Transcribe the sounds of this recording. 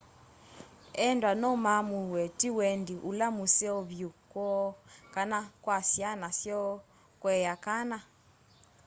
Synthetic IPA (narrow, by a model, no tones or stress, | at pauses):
ɛndwanɔmamuwɛtiwɛndiʔulamusɛɔβjukwɔkanakwasianasjɔ | kwɛjakana